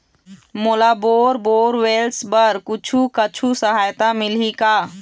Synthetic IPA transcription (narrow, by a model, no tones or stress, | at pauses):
molaboːɾboːɾwelsbəɾkʊt͡ʃʰukət͡ʃʰusəɦaːjt̪amɪlika